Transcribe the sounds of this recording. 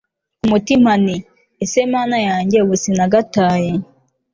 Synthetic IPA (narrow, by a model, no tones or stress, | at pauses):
umutim̥ani | esemaːnajaːɲɟe̞βusinaɡataːje